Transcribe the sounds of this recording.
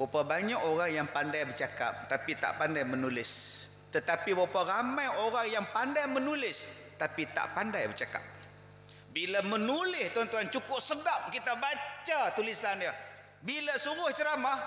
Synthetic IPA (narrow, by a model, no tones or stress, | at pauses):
wapabaɲakoɾaŋjaŋpandajbərt͡ʃaka̰p̚t̪apit̪a̰ʔpandajmənulɪs | t̪ət̪apiwaparamajoɾaŋjaŋpandajmənulɪs | t̪apit̪a̰ʔpandajbərt͡ʃaka̰p̚ | bilamənulɪst̪uant̪uant͡ʃukʊp̚sədap̚kit̪abat͡ʃat̪ulisanjə | bilasuɣʊht͡ʃəɾamah